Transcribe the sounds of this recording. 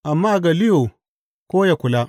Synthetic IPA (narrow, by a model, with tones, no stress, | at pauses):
ʔa˨mːaː˦˨ɡa˨lɪ˦jo˨ | koː˦ja˨kʷʊ˨la˦